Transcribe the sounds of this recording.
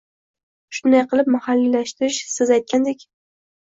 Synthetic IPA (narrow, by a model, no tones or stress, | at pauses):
ʃʊnd̪ajqʰɨlɪp̚mahalːilaʃt̪ɪɾɪʃsɪzajt̪̚kʲʰand̪ekʲ